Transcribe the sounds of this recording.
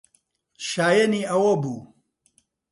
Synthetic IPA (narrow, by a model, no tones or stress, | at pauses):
ʃaːjɐniːʔɐwɐbuː